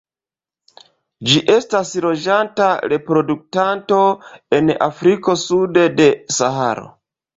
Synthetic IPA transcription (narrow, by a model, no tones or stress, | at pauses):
d͡ʒiʔe̞stasɾo̞d͡ʒantaɾe̞pɾo̞duk̚tanto̞e̞na̰fɾiko̞sude̞de̞saha̰ɾo̞̰